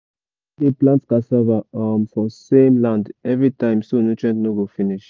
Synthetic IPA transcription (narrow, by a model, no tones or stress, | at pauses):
deplãntskasɛvamfɹɔ̃sẽmlãndɛvɹitãɪ̃msonot͡ʃɛ̃ntnoɡofiniʃ